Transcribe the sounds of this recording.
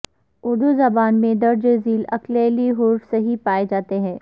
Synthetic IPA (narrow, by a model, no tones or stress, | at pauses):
ʊːɖ̪ozɐbaːnmẽd̪ɐɾd͡ʒeziːlɐ̰kleːliɦʊːɾsɐɦipaːed͡ʒaːt̪eɦɛ̃ː